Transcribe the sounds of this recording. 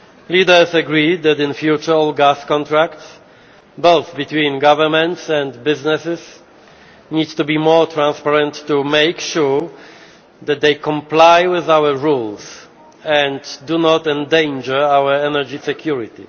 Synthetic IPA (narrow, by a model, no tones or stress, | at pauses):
lid̪ə˞saɡɹid̪̚d̪æt̪ɪ̃nfjut͡ʃəɔlɡaskɔ̃nt̪ɹakts | boʊθbit̪wĩnɡavəmɛ̃nt̪sɛ̃ndbɪznɛsɪs | nid̚t̪ubimɔɹt̪ʰɹãnspaɹɛ̃ntːumejkʃuɹ | ðɛt̪̚d̪ejkɔ̃mplajwɪðawəɹuls | ɛ̃nddunɔt̪ɛ̃ndẽɪ̃nd͡ʒə˞awə˞ɛnɛd͡ʒisɛkʰjuɹit̪ḭ